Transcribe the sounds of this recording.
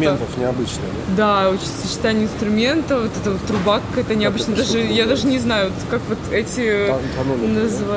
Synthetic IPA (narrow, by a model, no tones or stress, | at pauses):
mʲent̪əfnʲɪɐbɨt͡ɕnɨj | d̪aot͡ɕisɨɕːɪ̥t̪anʲɪəɪnst̪ɾʊmʲe̞nt̪əvot̪ɛt̪əot̪ːɾʊbakkːɛt̪ənʲɪɐbɨt͡ɕnjd̪aʐɨjad̪aʐɨnʲɪznajʊot̪kakvo̞t̪ɛtʲɪt̪ɐnunəzɨva